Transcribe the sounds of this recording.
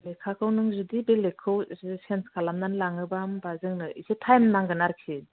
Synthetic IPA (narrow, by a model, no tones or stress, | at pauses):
lekʰakʰɯwnɯŋzudibelekʰɯwzsenskʰalamnanlaŋɯbambazɯŋnɯisetʰajmnaŋɡɯnaɾkʰi